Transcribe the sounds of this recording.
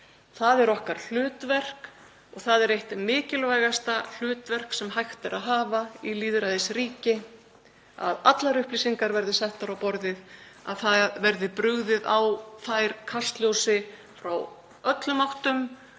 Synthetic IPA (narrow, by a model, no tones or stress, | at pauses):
θaðɛɾɔhkaɾ̥l̥ʏːt̪vɛr̥k | ɔɣθaðɛɾejht̪mɪːcɪlvajɣast̪al̥ʏːt̪vɛr̥ksɛmɦajxt̪ɪɾaðɦaːvailiːðɾaðɪsriːcɪ | a̰ðat̪laɾʏhplisiŋkaɾvɛɾðɪsɛht̪aɾawpɔɾðɪða̰ðθavɛɾðɪpɾʏɣðɪðawθajɾ̥kʰast̪ljowsɪ | fɾaw | œt̪lʏmawht̪ʏm